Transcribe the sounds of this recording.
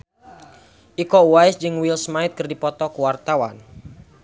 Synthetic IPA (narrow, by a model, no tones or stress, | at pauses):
ʔikɔwajsd͡ʒɨŋwilsmaɪt̪̚kɨrdipɔt̪ɔkuwart̪awan